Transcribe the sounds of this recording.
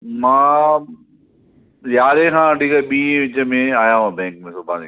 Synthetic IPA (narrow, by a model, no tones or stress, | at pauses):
mãː | jaːɾẽkʰãːʈiːkɛɓĩːẽʋɪt͡ɕəmẽaːjãɦãbɛ̃ːŋk̚mẽsʊbʱaːnĩ